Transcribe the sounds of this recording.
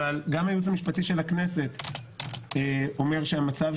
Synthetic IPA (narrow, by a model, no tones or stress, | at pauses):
alɡamajut͡samiʃpatiʃe̞lakne̞se̞t̪ | eo̞meʁʃeamat͡sav